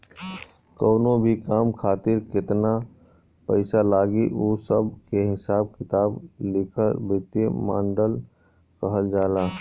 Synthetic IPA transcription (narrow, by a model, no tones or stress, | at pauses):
kəːnõbʱikaːmkʰaːt̪ɪɾkɪt̪na | pəɪsalaːɡiʔoːsəbkeɦɪsaːb̚kɪt̪aːblɪkʰəɾbɪt̪emã̰ːɳɖəl | kəɦəld͡ʒaːlaː